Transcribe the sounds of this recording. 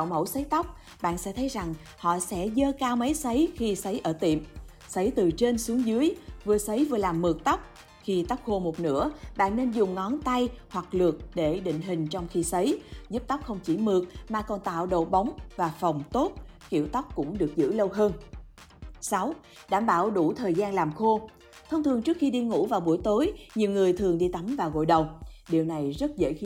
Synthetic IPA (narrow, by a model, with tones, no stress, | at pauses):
a˧˨wmə̰˧˩wsə˨˦jt̪a˦˥wk͡p̚ | ɓa̰ː˧˨nsɛ̰˧˥t̪ʰə˨˦jza˨˩ŋ | hɔ̰˧˨sɛ̰˧˥zəː˧kaː˧wmə˨˦jsə˨˦jxi˧sə˨˦jʔəː˧˩t̪ḭ˧˨əm | sə˨˦jt̪ɨ˨˩t͡ɕe˧nsu˨˦əŋzɨ˨˦əjvɨ˨˩əsə˨˦jvɨ˨˩əlaː˨˩mːɨ˨˩ək̚t̪ə˦˥k͡p̚ | xi˧t̪a˦˥wk͡p̚ho˧˩mo˨˩t̚nɨ̰˧˥əɓa̰ː˧˨nːe˧nzʊ˨˩ŋ͡mːɔ˨˦nt̪a˧jhwa˨˩k̚lɨ˨˩ək̚ɗe˧˩ɗḭ˧˨ŋ̟ɦï˨˩ŋ̟t͡ɕɔ˧wŋ͡mxi˧sə˨˦jzu˦˥p̚t̪a˦˥wk͡p̚xə˧wŋ͡mt͡ɕḭ˧˩mɨ˨˩ək̚maː˨˩kɔ˨˩nt̪a̰ː˧˨wɗo̰˧˨ɓa˨˦wŋ͡mvaː˨˩fɔ˨˩wŋ͡mt̪o˦˥t̚ki˧˩əwt̪a˦˥k͡p̚kʊ̰˧˥ŋ͡mɗɨ˨˩ək̚zɨ̰˧˥lə˧wɦəː˧n | sa˨˦w | ɗaː˧˩mɓaː˧˩wɗu˧˩t̪ʰəː˨˩jzaː˧nlaː˨˩mxo˧ | t̪ʰə˧wŋ͡mt̪ʰɨ˨˩əŋt͡ɕɨ˦˥k̚xi˧ɗi˧ŋṵ˧˥vaː˨˩wɓu˧˩əjt̪o˨˦jɲi˨˩əwŋɨ˨˩əjt̪ʰɨ˨˩əŋɗi˧t̪a˨˦mvaː˨˩wɣo̰˧˨jɗə˨˩wɗi˨˩əwna˨˩jzə˦˥t̚zə̰ː˧˥ji˧˦